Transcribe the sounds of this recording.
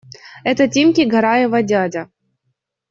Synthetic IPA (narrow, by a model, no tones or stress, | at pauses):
ɛt̪ətʲemʲkʲiɡɐɾajɪvɐdʲadʲɐ